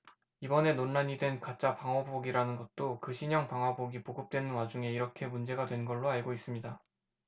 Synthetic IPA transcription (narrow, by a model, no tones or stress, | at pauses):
ibʌne̞nonːaɲidwe̞nkat͡ɕ͈apaŋɦaboɡiɾanɯnɡʌt̚t͈okɯɕʰiɲʌŋpaŋɦwaboɡipoɡɯp̚t͈wenɯnwad͡ʑuŋe̞iɾʌkʰe̞mund͡ʑe̞ɡadwe̞nɡʌɭːoaɭɡois͈ɯmɲida